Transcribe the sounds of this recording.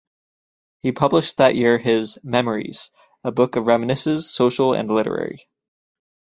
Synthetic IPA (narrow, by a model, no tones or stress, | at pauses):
hipʰʌbləʃ̚ðɨʔjɪɹɪzmɛmə˞ḭz̥ | əbʊkʌvɹɛmɨnɨsɨz̥soʊʃl̩ˠɨ̰̃nlɪɾə̰˞ɛ̰ɹḭ